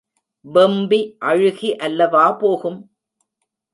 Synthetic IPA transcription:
ʋɛmbiʔɐɻɯɣiʔɐlːɐʋaːpoːɣɯm

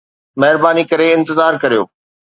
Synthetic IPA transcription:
mɛɦɪɾbaːnikɐɾeɪ̃nt̪ɪzaːɾkɐɾijo̰ː

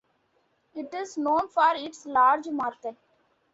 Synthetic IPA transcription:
ɪʈɪznõːnfɔːɾɪʈslaːɾd͡ʒmaːɾt̪ʰə

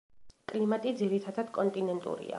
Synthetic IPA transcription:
kʼlimat̪ʼid̪ziɾit̪ʰad̪ad̪̥kʼɔnt̪ʼinɛnt̪ʼṵɾḭa̰

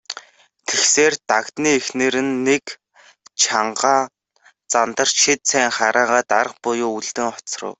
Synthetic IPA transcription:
t̪ʰexseːrt̪akt̪niːexneːɾɘ̆nːek | t͡ɕʰaɴɢaː | t͡sant̪ə̆r̥ʃit̪sʰæːŋχaɾaːʁaːt̪aɾə̆q̚pʊjʊːuɮt̪ɘ̆ŋɔt͡srə̰̆w

